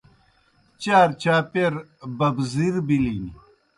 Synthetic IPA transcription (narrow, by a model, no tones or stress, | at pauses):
t͡ɕaːɾt͡ɕaːpeɾbɐbziɾbilini